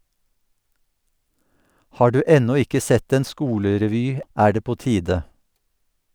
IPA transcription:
ˈhɑː ˈɖʉː ˈɛnɔ ˈɪkə ˈsɛt ˈeːn ˈskuːləɾɛˌʋyː ˈʔæː ˈɖeː ˈpoː ˈtiːdə

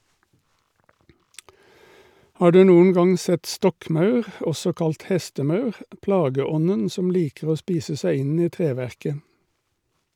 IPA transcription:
ˈhɑː ˈɖʉː ˈnuːən ˈɡɑŋ ˈsɛt ˈstɔkˌmɑʉʁ ˈɔsɔ ˈkɑlt ˈhɛstəˌmɑʉʁ ˈplɑːɡəˌɔnən ˈsɔm ˈliːkəʁ ˈoː ˈspiːsə ˈsæɪ ˈɪn ˈiː ˈtʁeːˌʋæʁkə

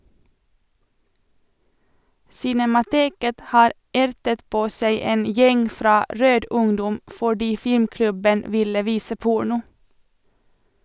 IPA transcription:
sɪnɛmɑˈteːkət ˈhɑːɾ ˈæɾtət ˈpoː ˈsæɪ ˈeːn ˈjɛŋ ˈfɾɑː ˈɾøːd ˈʊŋdɔm fɔˈɖiː ˈfɪmˌklʉbən ˈʋɪlə ˈʋiːsə ˈpʊɳʊ

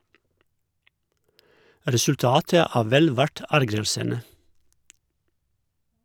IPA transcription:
ɾɛsʉlˈtɑːtə ˈæː ˈʋɛl ˈʋæʈ ˈæɾɡɾəlsənə

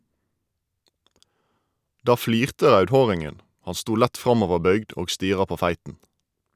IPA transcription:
ˈdɑː ˈfliːʁtə ˈʁɑʉdˌhoːʁɪŋən ˈhɑn ˈstuː ˈlæt ˈfʁɑmɔʋəˌbœʏɡd ˈoːɡ ˈstiːʁɑ ˈpoː ˈfæɪtn̩

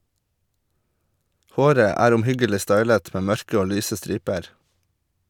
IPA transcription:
ˈhoːɾə ˈæːɾ ʊmˈhʏɡəlɪ ˈstɑɪlət ˈmeː ˈmœɹkə ˈoː ˈlyːsə ˈstɾiːpəɾ

